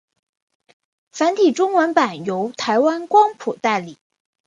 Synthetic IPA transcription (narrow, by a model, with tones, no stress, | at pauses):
fa˧˥nt̪ʰi˨˩ʈ͡ʂʊ˥ŋwə˧˥npa˨˩njo˧˥ʊt̪ʰa˧˥ɪwa˥nkwɑ˥ŋpʰu˨˩t̪a˥˩ɪli˨˩˦